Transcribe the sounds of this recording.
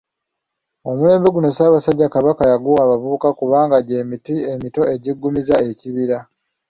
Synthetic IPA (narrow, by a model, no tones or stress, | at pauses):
o̞mule̞ːmbe̞ɡuno̞saːβasaɟːakaβakajaɡuwaːβavuβukakuβaːŋɡaɟe̞ːmitie̞mito̞e̞ɟiɡːumizae̞ciβiɾa